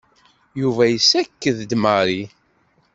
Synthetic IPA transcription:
juvæjəsːækːəðd̪məɾi

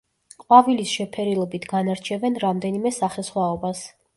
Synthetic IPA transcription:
qʼwavilisʃɛpʰɛɾilˠɔbit̪ʰɡanaɾt͡ʃʰɛvɛnɾamd̪ɛnimɛsaχɛsχwaɔbas

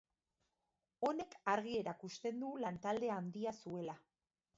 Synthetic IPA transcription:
o̞ne̞kaɾɣie̞ɾakust̪e̞nd̪ulant̪ald̪e̞aːnd̪iasue̞la

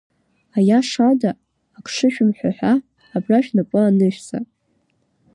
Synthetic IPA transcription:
ajaʂadaː | kʰʂɨʃᶣʊmħʷᶣaħʷᶣaː | braʃᶣnapʷʼʊanɨʃt͡sʼa̰

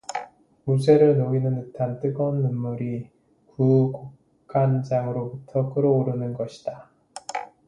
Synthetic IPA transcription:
mud͡ʑe̞ɾɯɭnoinɯnɯtʰant͈ɯɡʌnːɯmːuɾi | kukok | kʰand͡ʑaŋɯɾobutʰʌk͈ɯɾʌoɾɯnɯnɡʌɕʰi̥d̥a

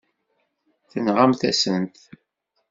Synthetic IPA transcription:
θənʁamθæsənt̪

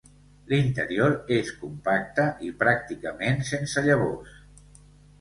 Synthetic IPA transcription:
lint̪ə̰ɾioɾeskumpak̚t̪əʔipɾak̚t̪ikəmensensəʎəβ̞os

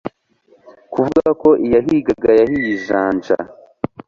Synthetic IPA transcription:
kuvuɡako̞ʔijaɦiɡaɡajahijiʒaːnt͡ʃa̰

